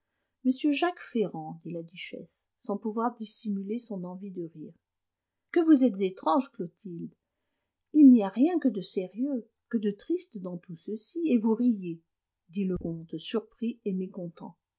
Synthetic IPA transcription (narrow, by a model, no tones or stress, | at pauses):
məsjøʒakfeʁɑ̃d̪ilad̪yʃɛ̰sː | ɑ̃puvwaʁd̪isimylesɔ̃nɑ̃vid̪əʁiːʁ | kəvuzɛt̪zet̪χɑ̃ʒklot̪ʰild̪ | ilniaʁjɛ̃kəd̪əseʁjø | kəd̪ət̪χist̪d̪ɑ̃t̪usəsievuʁije | d̪iləkɔ̃t̪syʁpχiemekɔ̃t̪ɑ̰̃